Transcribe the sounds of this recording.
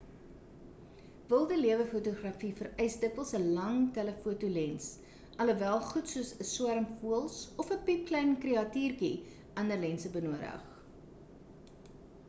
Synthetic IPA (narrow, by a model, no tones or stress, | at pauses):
vəlˠdəliəvəfutuχrɐfifərɛjsdəkvəlˠsəlɐŋtɛləfuətulɛns | ʔɐləvælˠχutsuəsəswæɾəmfuəlˠsɔfəpip̚klɛjnkreɐtiːrki | ʔɐndərlɛnsəbənuədə̰χ